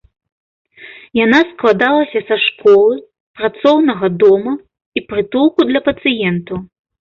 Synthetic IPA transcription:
janasklˠad̪alˠɐsʲɐsɐʂkɔlˠɨ | pɾat̪sɔwnɐɣɐd̪ɔmɐ | ipɾɨt̪ulˠkud̪lʲɐpɐt̪sɨjɛnt̪ɐw

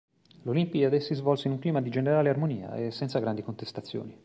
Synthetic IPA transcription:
lolimpid̪ad̪ɛsːizvɔlseinuŋkliːmad̪id͡ʒeneɾaːlearmonḭːa̰esːɛnt̪saɡɾand̪ikont̪est̪at̪sːjo̰ːni

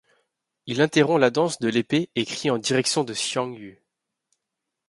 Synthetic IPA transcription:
ilɛ̃t̪eʁɔ̃lad̪ɑ̃sd̪əlepeekχiɑ̃d̪iʁɛksjɔ̃d̪əsjɑ̃ŋy

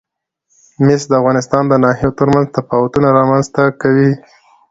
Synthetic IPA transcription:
mɪsd̪əafɣɑnɪst̪ɑnd̪ənɑɦijot̪əɾmanzt̪afɑwat̪unaɾɑmanzt̪akawi

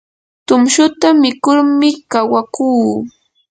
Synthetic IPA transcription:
t̪ʊmʃʊt̪amɪkʊɾmɪkawakuː

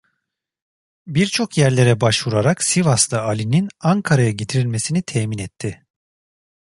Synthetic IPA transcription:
biɾt͡ʃʰo̞kjæɾlʲe̞ɾɛbaʃvuɾaɾaksivast̪ˠaalʲininaŋkʰaɾajaɟit̪ʰiɾilʲme̞sinit̪ʰɛːminɛt̪ʰːɪ

